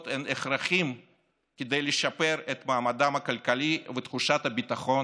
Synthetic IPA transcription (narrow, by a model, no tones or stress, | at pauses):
t̪ɛneχraχim | kʲed̪e̞jleʃapeɾet̪maːmad̪amɐkalʲkalivet̪χuʃat̪abit̪aχo̞n